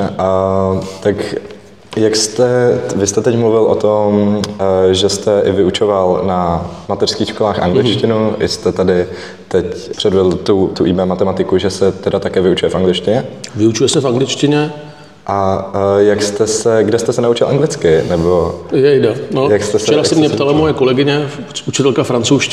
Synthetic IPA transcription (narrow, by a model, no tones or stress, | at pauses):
ʔat̪ak | jakst̪ɛvɪst̪ɛt̪ɛcmluvɪlʔot̪o̞mm | ʒɛst̪ɛʔɪvɪut͡ʃovalnamat̪ɛr̥skiːxʃkolaːxʔa̰ŋɡlɪt͡ʃcɪnuʔɪ̰st̪ɛt̪adɪ | t̪ɛcpr̥ɛdvɛdl̩t̪ut̪uʔibɛːmat̪ɛmat̪ɪkuʒɛsɛt̪ɛdat̪akɛːvɪut͡ʃujɛfʔaŋɡlɪt͡ʃcɪɲɛvɪut͡ʃujɛsɛfaŋɡlɪt͡ʃcɪɲɛ | ʔajakst̪ɛsɛɡdɛst̪ɛsɛnaut͡ʃɪlʔaŋɡlɪt͡skɪnɛbo̞jɛjdɛnojakst̪ɛst͡ʃɛɾasɛmɲɛpt̪alamojɛkolɛɡɪɲɛ | ut͡ʃɪt̪ɛlkafɾant͡sowʃ